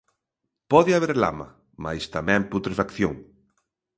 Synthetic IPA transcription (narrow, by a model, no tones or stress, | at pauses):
pɔðɪaβeɾla̰mɐ̰ | ma̰jst̪amɛ̃mput̪ɾefakθjoŋ